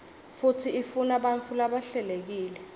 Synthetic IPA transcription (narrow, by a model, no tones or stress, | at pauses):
futʰiifunaɓant͡fʰulaɓaɬɛlek̬iːlɛ